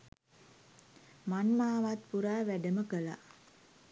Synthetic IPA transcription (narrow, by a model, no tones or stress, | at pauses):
manmaːʋat̪puɾaːʋæɖəməkəla̰